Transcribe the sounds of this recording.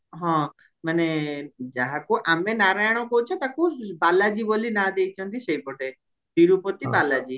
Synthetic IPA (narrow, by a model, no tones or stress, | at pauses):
ɦɔ̃ | məned͡ʒaɦakoʔamẽnaːɾajɽ̃õkout͡ʃʰɔ̃t̪akobaːlad͡ʒiːbolinad̪eit͡ʃʰə̃nt̪ʰiʃɐipoʈe | biɾupot̪ibaːlad͡ʒiː